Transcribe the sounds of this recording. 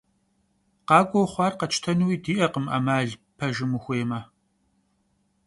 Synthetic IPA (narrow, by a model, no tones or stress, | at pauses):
qɑːɡʷowχʷɑːrqɐt͡ʃʰtʰɐnuwiːdiːʔɐqəmʔɐ̰maːɮpʰɐʒɪmuxʷeːmɐ